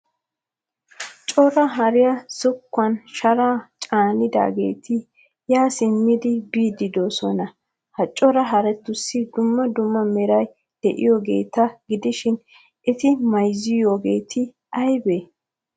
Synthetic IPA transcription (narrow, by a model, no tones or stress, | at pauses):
t͡ʃʼɔɾɐɦɐɾɪjasʊkːɐnʃɐɾaːt͡ʃʼaːnɪd̪a̰ːɡe̞̰ːt̪ɪ | jaːsɪmːɪd̪ɪbiːd̪ɪd̪oːsɔnɐ | hɐt͡ʃʼːɔɾɐɦɐɾɛt̪ːʊsːɪd̪ʊmːɐd̪ʊmːɐmɛɾɐj | d̪̥ɛ̰ʔɪ̰jɔːɡe̞̰ːt̪ɐɡɪd̪ɪʃɪn | ʔɪt̪ɪmɐjzɪjoːɡe̞̰ːt̪ʰɪ | ɐjbeː